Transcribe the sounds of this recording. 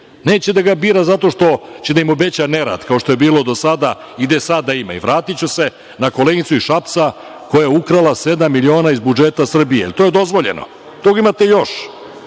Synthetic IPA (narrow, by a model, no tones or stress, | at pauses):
neːt͡ɕed̪aɡabiːɾazat̪o̞ʃt̪o̞t͡ɕed̪aimo̞be̞t͡ɕaneɾa̰d̪kao̞ʃt̪o̞je̞biːlo̞d̪o̞sad̪a | id̪esad̪ːaima̰ḭʋɾaːt̪it͡ɕuse̞ | nako̞leɡit̪suiʃapt̪sa | ko̞jajeukɾalase̞d̪amːilio̞ːnaːizbud͡ʒet̪asr̩bijeḛlit̪ojed̪o̞zʋo̞ʎḛno̰ | t̪oɡaimat̪ejo̞ʃ